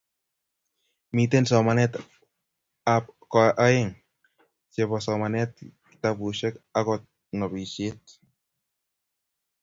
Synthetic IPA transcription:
mitensɔmanɛt | apkɔʔaeŋ | t͡ʃebɔsɔmanɛt̚ktabuʃɛkakɔt̚ | nɔbiʃet̚

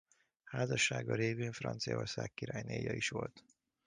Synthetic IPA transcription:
haːzɒʃːaːɡɒɾeːveːɱfrɒnt̪sijɒoːrsaːkːiɾaːjnḛːjɒiʃʋo̞lt̪

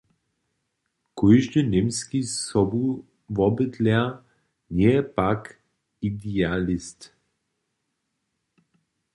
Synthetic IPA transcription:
kɔjʒdənemskisɔbu | vɔbət̪lɛɐ | njɛɛpak | id̪ialist̪

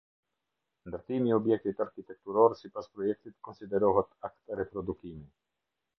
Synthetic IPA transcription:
nd̪əɾt̪imiɔbjɛk̚t̪it̪aɾkit̪ɛk̚t̪uɾɔɾsipaspɾɔjɛk̚t̪it̪kɔnsid̪ɛɾɔɦɛt̪akt̪ɾɛpɾɔd̪ukimi

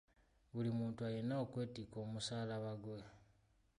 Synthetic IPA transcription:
βulimuːntuajenaokwe̞ːtikoːmusaːlaβaɡwe

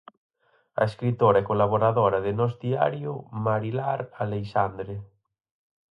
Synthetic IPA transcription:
a̰eskɾit̪oɾaɛkolaβoɾaðoɾaðɪnɔzd̪ia̰ɾjʊmaɾilaɾalejʃand̪ɾe

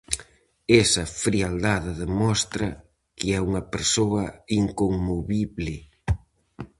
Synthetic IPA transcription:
esɐfɾiald̪aðɪðemɔst̪ɾɐ | kɪɛuŋɐpeɾsoɐiŋkoŋmoβiβlɪ

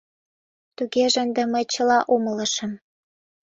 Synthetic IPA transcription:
t̪uɣeʒənd̪ĕməjt͡ɕəlɑʔomə̆lə̆ʃə̆m

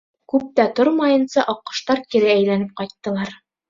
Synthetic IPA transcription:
kʉp̚t̪æt̪oɾmɑjɤ̆nsɑʔɒqːɤ̥̆ʃt̪ɑɾkĭɾææjlænɘp̚qɑjt̪ːɤ̆lˠɑɾ

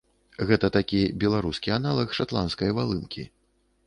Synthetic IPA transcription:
ɣɛt̪ɐt̪akʲibʲɛlˠaɾuskʲianalˠɐxʂat̪lˠanskɐjvalˠɨnkʲḭ

